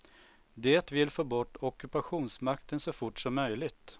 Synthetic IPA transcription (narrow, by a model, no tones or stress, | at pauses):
d̪eːt̪vɪlfoːbɔʈːɔkːɵpaɧuːnsmakt̪ənsɔfʊʈʂɔmːœjlɪɡt̪